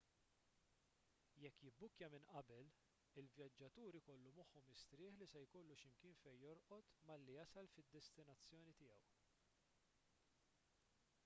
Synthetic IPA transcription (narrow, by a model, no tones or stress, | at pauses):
jɛkːjɪbːʊkːjɐmɪnʔɐbɛl | ɪlvjɐd͡ʒːɐt̪uːɾikɔlːumɔħːɔmɪst̪ɾɪːħlisɛjkɔlːuʃɪmkɪːnfɛjːɔɾʔɔt̪mɐlːijɐsɐlfɪd̪ːɛst̪ɪnɐt͡sːjɔːnit̪ɪːjɐw